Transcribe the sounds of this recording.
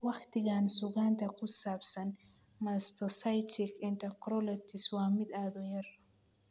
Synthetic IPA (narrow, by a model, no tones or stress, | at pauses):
waxt̪iɡaːnsuɡaːnt̪ɐkusaːpsɐn | mast̪osajtʰikent̪ɐkɾolɐt̪iswaːmid̪aːd̪ojɐɾ